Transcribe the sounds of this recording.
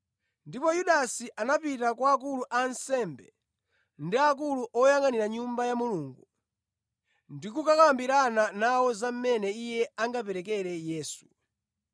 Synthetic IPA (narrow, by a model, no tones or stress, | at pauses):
ndipɔjuɗasiʔanapitakwaːk̬uluʔansɛmbɛ | ndiak̬uluʔɔjaŋaniɾaɲumbajamuluːŋɡu | ndik̬ukakambiɾananawɔzam̩mɛnɛijɛaŋɡapɛɾɛk̬ɛɾɛjɛːsu̥